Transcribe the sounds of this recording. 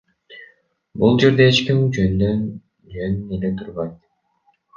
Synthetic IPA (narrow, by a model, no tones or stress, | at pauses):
bulˠd͡ʒe̞ɾd̪eːt͡ʃkimyd͡ʒønd̪øn | d͡ʒønynele̞t̪ʰuɾβɑjt̪